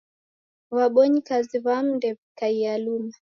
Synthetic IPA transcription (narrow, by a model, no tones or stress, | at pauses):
waɓɔɲikaziβam̩ndɛvikaialuma